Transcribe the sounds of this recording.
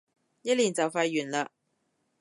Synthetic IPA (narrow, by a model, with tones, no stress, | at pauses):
jɐ˥t̚liː˨˩nt͡sɐ˨wfɐ˧jːyː˨˩nlaː˧